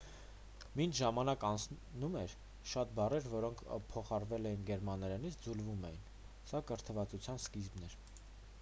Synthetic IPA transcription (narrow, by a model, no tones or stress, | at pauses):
mint͡ʃʰʒɑmɑnɑkɑnt͡sʰ | numɛɾ | ʃɑt̪̚bɑrɛɾvɔɾɔŋkʰpʰɔχɑɾvɛlɛjinɡɛɾmɑnːɛɾɛnit͡sʰd͡zulvumɛjin | sɑkəɾt̪ʰəvɑt͡sut͡sʰjɑnskizbnɛɾ